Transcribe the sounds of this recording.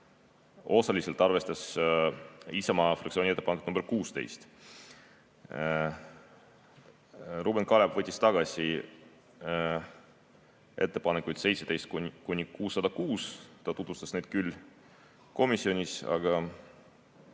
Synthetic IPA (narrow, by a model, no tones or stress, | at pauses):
o̞sɑlise̞lt̪ːˑɑrve̞st̪ɑs | isɑmɑfrɑkt̪sionʲie̞t̪ːepɑneku̥t̪numb̥erkuːst̪e̞̰jst̪ | rubenkɑlebvɤt̪ʲːist̪ɑɡ̥ɑsʲi | e̞̰t̪ːe̞pɑnekˑujd̪̥se̞jt̪se̞t̪e̞jst̪kukunʲikuːsːɑd̪ɑkuːst̪ɑt̪ut̪vust̪ɑsne̞jd̪̥̚kylː | ko̞misːio̞nʲisɑ̰ɡ̥ɑ